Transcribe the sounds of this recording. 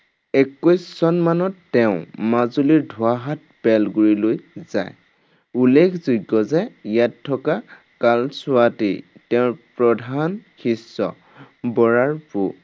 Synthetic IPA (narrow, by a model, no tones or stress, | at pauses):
ɛkɔjsːɔnmanɔtːɛʊ̃mazuliɹdʱʊaɦat̚ | bɛlɡuɹilojza̰j | ulːekʰzuɡːɔzɛjatʰːɔka | kalsʊatḭtɛʊ̃pɹɔdʱanxisːɔ̰ | bɔɹaɹpu